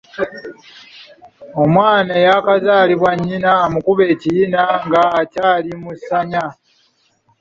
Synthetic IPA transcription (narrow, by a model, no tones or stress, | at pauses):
o̞mwaːnajakazaːliβwaɲːinaomukuβe̞ːcijinaŋɡaːcaːlimusaɲa